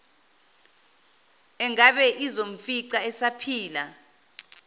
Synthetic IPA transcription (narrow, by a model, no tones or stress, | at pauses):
ɛŋaɓɛʔizom̩fiǀaɛsapʰiːla